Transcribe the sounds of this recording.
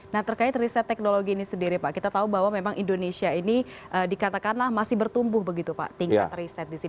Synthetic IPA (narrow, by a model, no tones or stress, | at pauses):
naht̪ərkaɪt̪risɛt̪ːɛk̚noloɡiːnisəndiɾipaʔkit̪at̪aubaɦwamemaŋʔindonesiaini | ʔəːdikat̪akanlahmasɪhbərt̪umbʊhbəɡit̪upa̰ʔt̪iŋka̰t̪risɛt̪̚disi